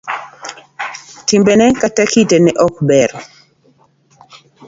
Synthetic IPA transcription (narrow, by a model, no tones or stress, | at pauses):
timbenɛkatakitenɛʔɔk̚bɛɾɔ